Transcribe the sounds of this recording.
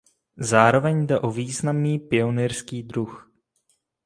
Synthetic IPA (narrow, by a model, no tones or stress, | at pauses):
zaːɾo̞vɛɲdɛʔo̞viːznamniːpɪo̞nirskiːdɾux